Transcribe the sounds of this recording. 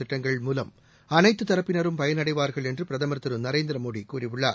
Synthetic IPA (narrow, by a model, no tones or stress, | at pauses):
ɪʈːɐŋɡɐɭmuːlɐm | ɐnɐɪt̪ːɯt̪ɐɾɐpːɪnɐɾɯmpɐjɐnɐɽɐɪʋaːɾɣɐɭendrɯpɾɐðɐmɐɾt̪ːɐɾɯmnɐɾeːnd̪ɾɐmoːɽikuːɾiʋʊɭːɐ